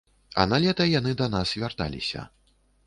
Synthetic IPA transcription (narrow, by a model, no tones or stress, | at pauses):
ɐ̰nalʲɛt̪ɐjanɨd̪ɐnasvʲart̪a̰lʲḭsʲɐ̰